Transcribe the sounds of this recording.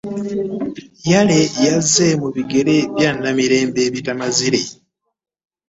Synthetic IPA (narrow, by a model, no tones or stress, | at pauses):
jale̞jazːe̞muβiɡe̞ɾe̞βjaːnːamiɾe̞ːmbe̞ːβitamaziɾe